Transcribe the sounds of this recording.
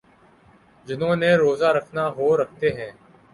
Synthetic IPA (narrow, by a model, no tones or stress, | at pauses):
d͡ʒɪnõːneːɾoːzaːɾəkʰnaːɦoːɾək̚ʰt̪eːɦɛ̃ː